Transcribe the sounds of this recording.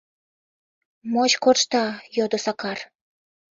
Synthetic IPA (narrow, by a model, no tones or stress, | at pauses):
mot͡ɕkorʃt̪ɑjod̪osɑkɑr